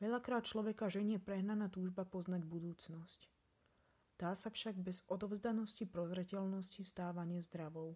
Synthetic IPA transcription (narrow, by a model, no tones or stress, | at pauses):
ʋɛʎakɾaːt̪̚t͡ʃlɔʋɛkaʒɛɲɪɛpɾɛɦnanaːt̪uːʒbapɔznaɟbud̪uːt͡snɔsc | d̪̥aːsafʃaɡbɛzɔd̪ɔʊzd̪anɔscipɾɔzɾɛcɛʎnɔscist̪aːʋaɲɪɛzd̪ɾaʋɔʊ